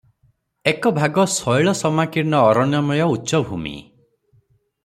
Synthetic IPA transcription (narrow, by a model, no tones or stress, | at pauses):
ekɔbʱaɡɔsɔjɭɔsɔmakiɾnɔːɾɔnjɔmɔjɔutːʃɔbʱṵmḭ